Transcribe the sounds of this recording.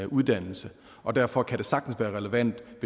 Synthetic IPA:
ʔuð̞ˠd̥æn̰l̩sə | ʔɒ̽d̥æɐfɒ̽kʰæd̥e̝sɑ̈ɡ̥̚d̥n̩sʋæːɐʁɛləʋæn̰d̥ʋe̝

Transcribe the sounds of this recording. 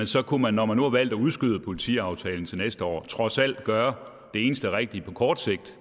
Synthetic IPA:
ensɒ̽kʰumænːɒmænːuhɑ̈ʋæl̰d̥æuð̞ˠsɡ̥yðˠəpʰo̝lit͡sʰḭɑ̈ʊt͡sʰɛːln̩t͡sʰe̝lnesd̥əɒ̰ːt͡sʰʁɒ̽sæl̰d̥ɡ̥ɶːɐ | d̥e̝e̝ːnəsd̥əæʁeɡ̥̚d̥ipʰɒ̽kʰɒːd̥se̝ɡ̥̚d̥

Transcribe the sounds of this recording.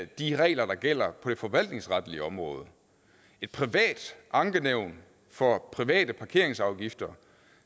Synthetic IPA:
d̥iʁɛ̰ːlɐd̥ɑ̈ɡ̥el̰ɐpʰɒ̽d̥e̝fɒ̽ʋæl̰d̥ne̝ŋsʁɑd̥əliəɒ̽mʁɔ̽ːð̞̩ˠ | e̝d̥̚pʰʁiʋɛ̰ːd̥ʔɑ̈ŋɡ̥əneʊ̰n | fɒ̽pʰʁiʋɛ̰ːd̥əpʰɑ̈kʰe̝ɐ̰e̝ŋsɑ̈ʊɡ̥ifd̥ɐ

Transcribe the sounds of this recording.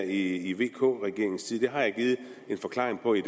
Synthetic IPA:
iiʋe̝̰ːkʰɔ̰ːʁɛɡ̥e̝ɐeŋ̩sʰiːð̞̩ˠd̥e̝ɦɑ̈jɑ̈ɪɡ̥iːð̩ˠe̝nfɒ̽kʰlɑ̈ːʁeŋpʰɒ̽id̥

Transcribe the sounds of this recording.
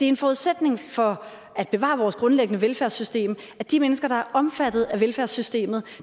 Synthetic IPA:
d̥e̝ɐe̝nfɒuð̞ˠsed̥ne̝ŋfɒ̽ | æd̥̚b̥e̝ʋɑ̰̈ːʋɒːsɡ̥ʁɔ̽nleɡ̥ənəʋelfæɐsːysd̥e̝̰ːm | æd̥imenəsɡ̥ɐd̥ɑ̈æɐʔɒ̽mfæd̥ð̩ˠæʋelfæɐsːysd̥e̝̰ːmð̩ˠ

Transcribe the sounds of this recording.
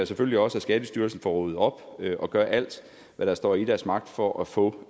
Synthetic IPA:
æsefølliɒ̽səæsɡ̥ɛːd̥əsd̥yɐlsn̩fɒʁoð̩ˠɒ̽b̥ʔɒ̽ɡ̥ɶːɐʔæl̰d̥ | ʋæɾ̥ɑ̈sd̥ɒ̰ːid̥æɐsmɑ̈ɡ̥̚d̥fɒʔæfɔ̰ː

